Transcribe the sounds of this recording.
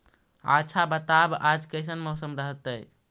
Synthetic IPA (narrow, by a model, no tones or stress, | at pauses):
a̰t͡ʃʰabət̪abad͡ʒkəɪs̬ənmɔʊsəmɾəɦət̪əj